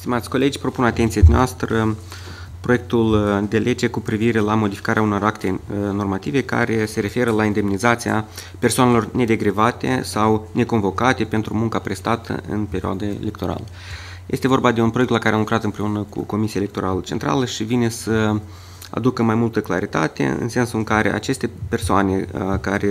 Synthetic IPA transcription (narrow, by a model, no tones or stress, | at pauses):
st̪imat̪sʲko̞le̞d͡ʒʲpɾo̞punat̪ent̪iad̪unʲeast̪ɾə | pɾo̞jek̚t̪uld̪e̞lʔe̞d͡ʒe̞kupɾiviɾe̞lamo̞d̪ifi̥kaɾeauno̞rakt̪e̞no̞rmat̪ive̞ka̰ɾe̞se̞ɾe̞fe̞ɾəlaind̪e̞mnizat̪sia̰pe̞rsoane̞lo̞rne̞d̪e̞ɡɾivat̪e̞̰sawne̞ko̞nvo̞kat̪e̞pe̞nt̪ɾumuŋkapɾe̞st̪at̪ʰə̰ʔɨ̰npe̞ɾioa̰d̪aele̞kt̪o̞ɾa̰lə | je̞st̪e̞vo̞rbad̪e̞unpɾojekt̪lakaɾeamlukɾat̪ɨmpɾe̞unəkṵko̞misijaelekt̪o̞ɾalət͡ʃe̞nt̪ɾa̰ləʃivine̞sə | a̰d̪ukəmajmult̪əkla̰ɾit̪a̰t̪e̞̰ɨ̰nse̞nsuɨŋkaɾe̞̰ʔa̰t͡ʃe̞st̪e̞pe̞rsoane̞kaɾe